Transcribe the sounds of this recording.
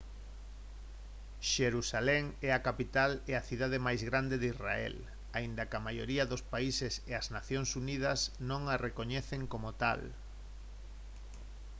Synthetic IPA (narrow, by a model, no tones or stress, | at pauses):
ʃeɾusalɛŋɛakapit̪alɛaθiðaðemajzɣɾand̪eðisraɛ̰l | aind̪ɐkamajoɾiɐðospaiseseɐznaθjoŋsuniðɐsnõŋarekoɲɛθeŋkomot̪a̰l